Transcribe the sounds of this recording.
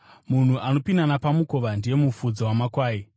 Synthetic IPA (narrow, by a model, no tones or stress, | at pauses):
mun̤uʔano̞pinanapamukoʋandije̞mufud͡zawamakwaːi